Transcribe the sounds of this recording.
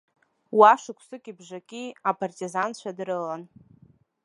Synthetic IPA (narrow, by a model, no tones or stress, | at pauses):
waʂɨkʷʰsɨkʲʼibʐʷakʲʼiapʰʼartʼizant͡ɕʷʰadrɨlan